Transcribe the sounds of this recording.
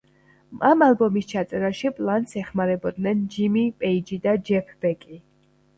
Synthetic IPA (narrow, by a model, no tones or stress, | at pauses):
amalˠbɔmist͡ʃʰat̪sʼɛɾaʃipʼlˠant̪sɛχmaɾɛbɔd̪nɛnd͡ʒimipʼɛid͡ʒid̪ad͡ʒɛpʰbɛkʼi